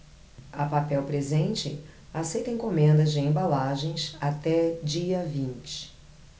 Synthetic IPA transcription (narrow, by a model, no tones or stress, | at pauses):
ɐpapɛwpɾezẽnt͡ʃɪ̰asejt̪ẽj̃kõmẽnd̪ɐzd͡ʒɪẽbalaʒẽj̃sat̪ɛd͡ʒiɐvĩnt͡ʃɪ̥